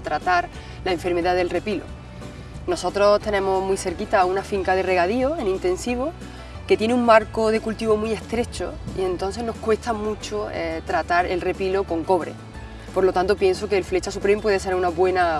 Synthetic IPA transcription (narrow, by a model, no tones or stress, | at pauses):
t̪ɾat̪aɾ | laeɱfe̞ɾme̞ðaðe̞lre̞pilo̞̰ | noso̞t̪ɾo̞t̪e̞nẽ̞momijθe̞ɾkit̪aunafiŋkaðe̞re̞ɣaðio̞enĩnt̪e̞nsiβ̞o̞ | ket̪je̞neuŋmaɾkoðe̞kult̪iβo̞mie̞ht̪ɾe̞t͡ʃo̰ḭe̞nt̪o̞nθ̬e̞ɦno̞hkwe̞st̪amut͡ʃoet̪ɾat̪aɾe̞lre̞pilo̞ko̞ŋko̞βɾe̞̰ | poɾlo̞t̪ant̪opje̞nsoke̞ːlfle̞t͡ʃasupɾempwe̞ð̞e̞s̬eɾunaβwe̞na